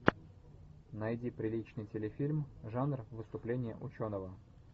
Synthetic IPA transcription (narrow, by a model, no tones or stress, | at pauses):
nɐjdʲipɾʲɪlʲit͡ɕnɨjtʲɪlʲɪfʲilʲmʐanrvɨst̪ʊplʲenʲɪjə̰ʔʊt͡ɕonəvə